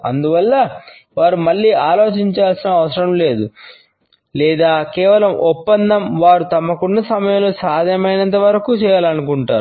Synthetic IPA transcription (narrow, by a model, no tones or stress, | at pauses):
ɐ̰nd̪uʋɐlːɐ | ʋaːɾumɐɭːiːaːlo̞ːt͡ʃiɲt͡ʃaːlsinɐːʋɐsɐɾɐmle̞ːd̪u | lɛːd̪aːkɛːʋɐlɐmɔpːɐnd̪ɐmʋaːɾut̪ɐmɐkunːɐsɐmɐjɐmloːsaːd̪ʱjɐmɐjnɐnt̪ɐʋɐɾɐkut͡ʃɛːjaːlɐnukuɳʈaːɾu